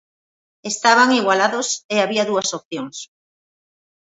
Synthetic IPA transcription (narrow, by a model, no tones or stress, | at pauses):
est̪aβ̞aŋiɣwalaðoseaβiaðuasop̚θjoŋs